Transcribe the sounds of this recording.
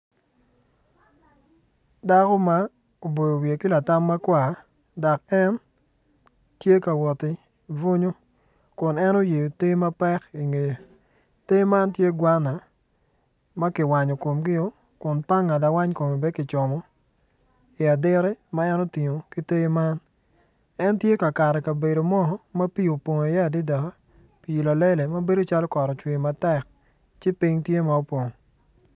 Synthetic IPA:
da˦kɔ˦ma˦ | o˨bo˨jo˨wje˨kɪ˦la˨ta˦mːa˦kwa˨ | dɔ˨kɛ˦n | tje˦ka˨wɔ˨tɪ˨ | vo˦ɲo˦ | kʊ˨nɛ˦no˦je˨jo˨te˦ma˦pɛ˦ki˨ŋe˨jo˨ | te˦ma˦ntje˦ɡwa˦na˨ | ma˦kɪ˨wa˨ɲo˨ko˨mɡɪ˦o˦ | kʊ˨npa˦ŋːa˨da˨wa˦ɲko˨me˨bɛ˦kɪ˨t͡ʃɔ˨mɔ˨ | ɪ˨a˨dɪ˦ɾɛ˦ma˦ɛ˦nɔ˦ti˨ɲo˨ki˦te˦ma˦n | ɛ˦ntje˦ka˨ka˨ɾɛ˨ka˨be˨do˨mɔ˦˨˦mɐ˦pi˦o˨pwo˨ŋ˨a˨jɛ˦a˨dɪ˦da˨a˦ | pi˨i˨la˨le˦le˨mɐ˦be˦do˦t͡ʃa˦lɔ˦kɔ˨ɾɔ˨t͡ʃwɪ˨ma˨tɛ˦˨k | t͡ʃɪ˦pi˦ŋtje˦ma˨o˦po˨ŋo˨

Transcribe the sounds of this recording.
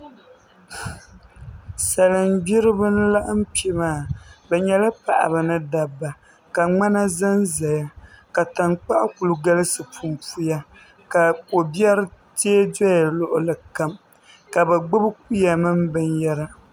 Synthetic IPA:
sa˨lɨ˨mbi˦ɾɨ˦bɨ˦n˦la˦ʔɨ˦m̩˦pi˨˦maː˦˨bɛ˨ɲɛ˦lɨ˦pa̰˨ʔa̰˨bɨ˨nɨ˦da˨bːa˨ | ka˨ŋ͡ma˦na˦za˦nza˨ja˦ | ka˨ta˨nk͡pa˦ʔa̰˦ku˨lu˨ɡa˦lɨ˦sɨ˨pʰu˨mpu˦ja˦ | ka˨ko˨bi˦ɛ˦ɾɨ˦ | teː˦dɛ˦ja˨lʊ˦ʔʊ˨lɨ˨ka˦m | ka˨bɛ˨ɡ͡bʊ˦bɨ˦k̚u˦ja˨mɨ˦mbɨ˦njɛ˦ɾa˦

